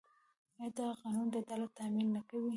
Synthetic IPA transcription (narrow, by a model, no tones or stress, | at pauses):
ad̪aqɑnund̪əd̪alat̪ːaminːakawi